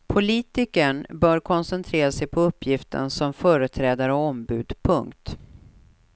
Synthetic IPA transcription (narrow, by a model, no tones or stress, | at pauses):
pʰʊliːt̪ɪkəɳbœːɾkʰɔnsɛnt̪ʰɾeːɾasɛjpʰɔɵpːjɪft̪ʰə̰ɳsɔmfœːɾət̪ʰɾɛːd̪aɾəɔmbʉ̟ːd̪pʰɵŋkt̪